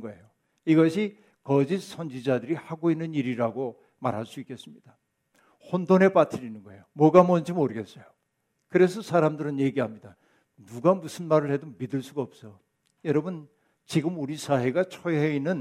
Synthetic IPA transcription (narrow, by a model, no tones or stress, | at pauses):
ɡʌe̞̰jo | iɡʌɕʰi | kʌd͡ʑisʰʌnd͡ʑid͡ʑadɯɾihaɡoinːɯniɾiɾaɡo | ma̰ɾɦaɭs͈uik͈e̞s͈ɯmɲid̥a | hondone̞p͈atʰɯɾinɯnɡʌe̞jomwʌɡamʌnd͡ʑimoɾɯɡe̞s͈ʌjo | kɯɾe̞sʰʌsʰaɾamdɯɾɯnje̞ɡiɦamɲida | nuɡamusʰɯnmaɾɯɭhe̞domidɯɭs͈uɡaʌp̚s͈ʌ | jʌɾʌbɯn | t͡ɕiɡɯmuɾisʰaɦe̞ɡat͡ɕʰoɦeinɯn